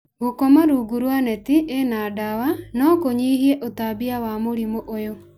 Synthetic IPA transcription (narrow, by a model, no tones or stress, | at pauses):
ɣokɔmaɾuːɡuɾwanɛtiʔenaːdawanɔkoɲiːhiɛʔotabiawamoɾimoʔojo